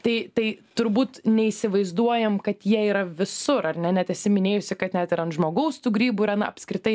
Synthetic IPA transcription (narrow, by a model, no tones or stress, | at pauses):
t̪ɐɪt̪ɐɪt̪ʊɾbuːt̪nʲɛiːsʲɪʋɐɪzd̪uɔjɛmkɐt̪jiɛiːɾɐʋʲɪsʊɾɐrnʲɛnʲɛt̪ɛsʲɪmʲɪnʲeːjʊsʲɪkɐt̪nʲɛt̪ɪɾɐnt̪ʒmoːɡɐʊst̪uːɡɾʲiːbuːɪɾɐnɐɐpʲskɾʲɪt̪ɐɪ